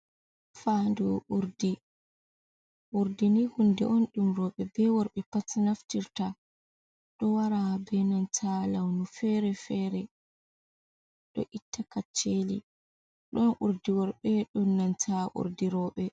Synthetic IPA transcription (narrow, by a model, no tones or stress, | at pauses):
fandɔʔuɾdi | ʔuɾdinihundɛ̰ʔɔnɗumɾɔɓɛbɛwɔɾɓɛpatnaftiɾta | ɗɔwaɾabɛnantʰalawnufɛɾɛfɛɾɛ | ɗɔ̰ʔitʰːakat͡ʃːelḭ | ɗɔnʔuɾdiwɔɾɓɛɗɔnːantʰaʔṵɾdiɾɔɓɛ